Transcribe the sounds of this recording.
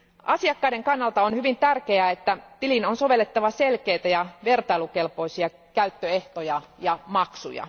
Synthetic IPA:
ʔɑsiɑkːɑiɾeŋkɑnːɑlt̪ɑonhyʋint̪ærkeæet̪ːæt̪ilinonsoʋelːet̪ːɑʋɑselkeit̪æjɑʋert̪ɑilukelpoisiɑ | kæyt̪ːøeht̪ojɑjɑmɑksṵjɑ̰

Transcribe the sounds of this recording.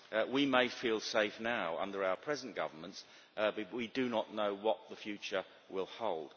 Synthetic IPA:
wimeɪfilˠseɪfnaʊʌ̰̃ndə˞aʊə˞pʰɹ̥ɛzə̃n̩ɡ̥ʌ̰və˞mə̃nts | bʌt̚widɨnəʔⁿnoʊwʌt̪̚ðəfjʉt͡ʃə˞ | wɪlˠhoʊlˠd̥

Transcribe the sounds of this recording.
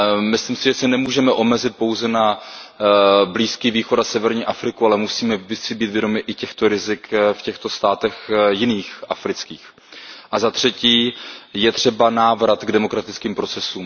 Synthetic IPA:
mɪslimsɪʒɛsɛnɛmuːʒɛmɛʔo̞mɛzɪt̪̚po̞wzɛna | bliːskiːviːxo̞t̪asɛvɛɾɲiːʔafɾɪkualɛmusiːmɛsɪbiːt̪vjɛdo̞mɪʔɪcɛxt̪oɾɪzɪkfcɛxt̪o̞st̪aːt̪ɛxjɪniːxʔafɾɪt͡skiːx | ʔazat̪r̝̥ɛciːjɛt̪r̝̥ɛbanaːvɾat̪ɡdɛmo̞kɾat̪ɪt͡skiːmpɾo̞t͡sɛsuːm

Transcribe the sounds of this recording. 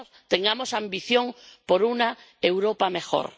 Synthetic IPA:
t̪eŋɡamosambiθjõŋpoɾuna | ewɾopamexo̰ɾ

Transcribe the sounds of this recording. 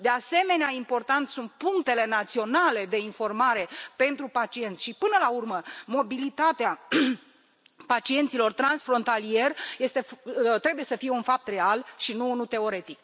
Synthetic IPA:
d̪e̞ase̞me̞neaimpo̞rt̪ant̪sunt̪̚puŋk̚t̪e̞le̞nat̪sio̞nale̞d̪e̞info̞rmaɾe̞pe̞nt̪ɾupat͡ʃie̞nt̪sʲʃipɨnəlaurməmo̞bilit̪at̪ea | pat͡ʃie̞nt̪silo̞rt̪ɾansfɾo̞nt̪alije̞rje̞st̪e̞ft̪ɾe̞buje̞səfije̞unfap̚t̪re̞alʃinunut̪e̞o̞ɾe̞t̪ik

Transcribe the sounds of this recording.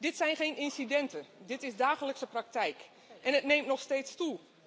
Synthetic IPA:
dɪtsɛjnχejnɪnsidɛntədɪtɪsdaːxələksəprak̚tɛjk | ʔɛnətnemtnɔxsteːtstu

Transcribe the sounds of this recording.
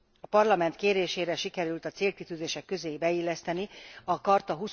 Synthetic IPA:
ɒpɒrlɒmɛnt̪keːɾeːʃeːɾɛʃikɛɾylt̪ɒt̪seːlkit̪yːzeːʃɛkːø̞zeːjibɛilːɛst̪ɛniɒkɒrt̪ɒɦus

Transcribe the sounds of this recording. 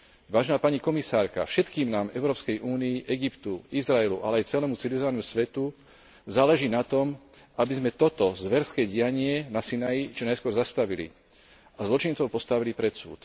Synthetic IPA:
ʋaːʒɛnaːpaɲikɔmisaːɾka̰fʃɛt̪kiːmnaːmɛʊɾɔːpskɛjʔuːnijiʔɛɡipt̪uizɾaɛlṵʔa̰lɛajt͡sɛlɛːmut͡siliʋizɔʋanusʋɛt̪u | zaːlɛʒiːnat̪ɔmabizmɛt̪ɔt̪ɔzʋɛɾskɛːɟɪjaɲɪɛnasinajit͡ʃɔnajskʊɔɾzast̪aʋilḭ | azlɔt͡ʃint͡sɔʊpɔst̪aʋilipɾɛt̪sṵːt̪

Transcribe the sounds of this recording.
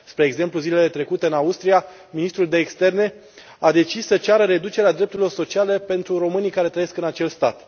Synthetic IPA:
spɾe̞ːɡze̞mpluzileelet̪ɾe̞kut̪eɨnaust̪ɾija | minist̪ɾuld̪e̞ːkst̪e̞rne̞ | ad̪e̞t͡ʃisːət͡ʃaɾəɾe̞d̪ut͡ʃeɾead̪ɾep̚t̪uɾilo̞rso̞t͡ʃiale̞pe̞nt̪ɾuro̞mɨnijkaɾe̞t̪ɾəjeskɨnat͡ʃe̞lst̪at̪

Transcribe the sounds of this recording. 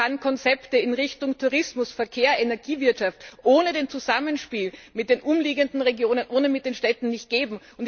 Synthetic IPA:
ankʰɔnt͡sɛptəɪnʁɪçtʊŋtʰuʁɪsmʊsfɛɐkʰeːɐenɛɐɡ̥iːvɪɐtʃaftʔoːnədeːnt͡suzamənʃpiːlmɪt̚d̥eːnʔʊmliːɡəndn̩ʁeɡjoːnənʔoːnəmɪt̚d̥eːnʃtɛtn̩nɪçt̚ɡ̥eːbm̩ | ʊnt

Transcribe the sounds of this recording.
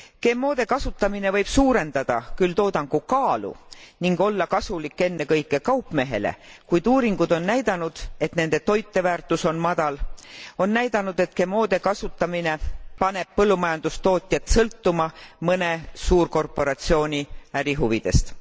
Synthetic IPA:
ke̞mːo̞ːd̪̥e̞kɑsut̪ːˑɑmine̞vɤjb̥suːɾe̞nd̪̥ɑd̪̥ɑ̰kylt̪o̞ːd̪ɑŋɡ̥ukɑːlṵniŋɡo̞lːɑkɑsulikːˑe̞nːekɤjkːˑe̞kɑwpːˑme̞ɦe̞̰lḛkujd̪̥uːɾiŋɡ̥ud̪̥o̞nːæjd̪̥ɑnud̪̥e̞t̪ne̞nd̪̥e̞t̪o̞jt̪ˑːe̞væːrt̪ˑːuso̞nmɑd̪̥ɑlo̞nːæjd̪ɑnud̪̥e̞t̪ke̞mːo̞ːd̪̥e̞kɑsut̪ːˑɑmine̞pɑne̞b̥̚pɤlːumɑjɑnd̪̥ust̪o̞ːt̪ʲˑjɑt̪sɤlt̪ːumɑmɤne̞suːrko̞rpo̞ɾɑt̪sio̞ːnʲiæɾiɦuvid̪̥e̞st̪

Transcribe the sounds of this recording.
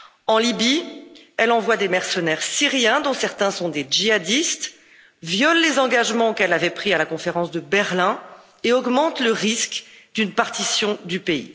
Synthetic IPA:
ɑ̃libiɛlɑ̃vwad̪emɛʁsənɛʁsiʁjɛ̃d̪ɔ̃sɛʁt̪ɛ̃sɔ̃d̪ed͡ʒiad̪ist̪ | vjɔlːezɑ̃ɡaʒmɑ̃kɛlavɛpχialakɔ̃feʁɑ̃sd̪əbɛʁlɛ̃ | eɔɡmɑ̃t̪ləʁiskd̪ynpaʁt̪isjɔ̃d̪ypeḭ

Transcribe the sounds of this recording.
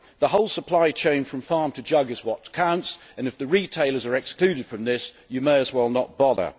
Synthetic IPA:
ðəhoʊlˠsəpʰl̥aɪt͡ʃʰẽɪ̃nfɹə̃ɱfɑɹmtʰɨd͡ʒʌɡɨzwɒtʰkʰãʊ̃nts | ɨ̃nɨfðɨɹitʰeɪlˠə˞zə˞ɨkskl̥ʉɾɨd̥fɹə̃mðɪs | jɨmeɪəzwɛlˠnət̚b̥ɑðə̰˞

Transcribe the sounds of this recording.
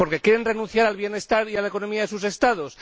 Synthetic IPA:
po̞ɾke̞kjeɾe̞nre̞nũnθjaɾalβje̞ne̞st̪aɾialaeko̞no̞miaðe̞suse̞st̪að̞o̞s

